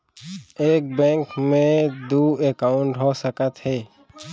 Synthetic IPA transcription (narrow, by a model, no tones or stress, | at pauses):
eːk̚bɛ̃ŋkmẽd̪uːekaʊɳʈɦoːsəkət̪ɦɛː